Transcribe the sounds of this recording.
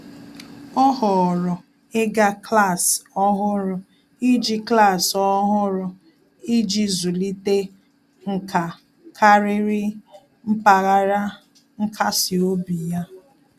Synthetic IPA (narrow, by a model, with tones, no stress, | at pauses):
ɔ˦ɦɔ˨ɾʊ˨ | e˦ɡa˦kla˦˨sɔ˦ɦʊ˦ɾʊ˨ | i˦d͡ʒi˦kla˦˨sɔ˦ɦʊ˦ɾʊ˨ | i˦d͡ʒi˦zu˨li˦te˦ | ŋ̩˨kʰa˨ | kʰa˦ɾɪ˦ɾɪ˦ | m̩˦pa˨ɣa˦ɾa˦ | ŋ̩˦kʰa˦si˨o˦bi˨ja˦